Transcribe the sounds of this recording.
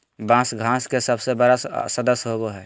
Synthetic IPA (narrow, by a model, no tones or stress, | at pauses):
bãsɡʱãːskesəbsebəɾasəd̪əsɦoboɦɛː